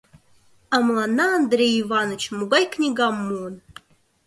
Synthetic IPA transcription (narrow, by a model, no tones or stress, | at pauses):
amlˠanaːnd̪rʲejivanot͡ʃʰmuɡʷajkʰnʲiɡamːun